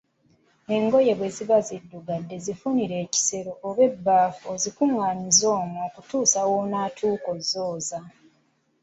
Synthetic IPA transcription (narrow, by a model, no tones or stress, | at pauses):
e̞ŋɡo̞je̞βwe̞zivazidːuɡadːe̞zifuniɾe̞ːci̥se̞ɾo̞ʔːβe̞bːaːfuozikuŋaːɲizo̞ːmuokutuːsawonaːtʰuːko̞zoːza